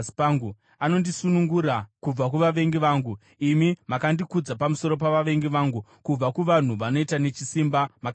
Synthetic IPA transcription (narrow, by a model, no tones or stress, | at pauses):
i̥paŋɡu | ano̞ndisunuŋɡuɾakub͡vak̬uʋaʋe̞ŋɡiʋaːŋɡu | imimakandikud͡zapamuso̞ɾo̞p̬aʋaʋe̞ŋɡiʋaŋɡukub͡vakuʋan̤uʋano̞itane̞t͡ʃisimbamak